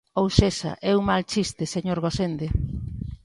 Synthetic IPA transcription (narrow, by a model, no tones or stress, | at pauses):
owsesa̰ʔɛwmalt͡ʃist̪eseɲoɾɣosend̪e